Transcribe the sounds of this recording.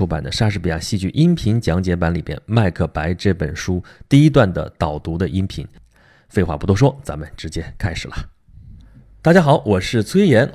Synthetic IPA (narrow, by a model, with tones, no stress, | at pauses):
pa̰˨˩nd̪ə˦ʂa˥ʂɻ̩˥˩pi˨˩a̰˥˩ɕi˥˧t͡ɕy˥˧ʔi˥npʰi˧˥ŋt͡ɕjɑ˧˥ŋt͡ɕjɛ˧˥pa˧˥nli˨˩mjɛ̰˥˧nma˥˧ɪkʰɤ˥˩pa˧˥ɪʈ͡ʂɤ˥˩pə˨˩nʂu˥t̪i˥˩i˥t̪̬wa˥˩nd̪ə̰˩t̪ɑ˨˩ʊt̪u˧˥d̪ə˧ʔi˥npʰi˧˥ŋ | fe˥˧ɪxwa̰˥˩pu˧˥t̪ʰwɔ˥ʂ̬wɔ˥t͡sa˧˥mə˨nʈ͡ʂɻ̩˧˥t͡ɕjɛ˥kʰa˥ɪʂɻ̩˨˩lə˦ | t̪a˥˩t͡ɕja˥xɑ˨˩˦ʊʔwɔ˨˩ʂɻ̩˥˩t͡sʰwe˥ɪjɛ˧˥n